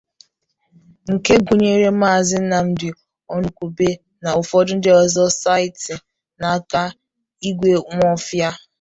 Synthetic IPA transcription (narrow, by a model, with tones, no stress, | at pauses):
ŋ̩˨ke˦ɡu˨ɲe˦ɾe˦ma˦˨zɪ˦n̩˦na˨m̩˦dɪ˨ | ɔ˦nu˨kʷu˨be˦ | na˨ʊ˨fɔ˦dʊ˦n̩˦dɪ˦ɔ˨zɔ˦sa˦ɪ˨tɪ˨ | na˨˦ka˦ | i˦ɡʷe˦ŋʷ˦ɔ˦fja˦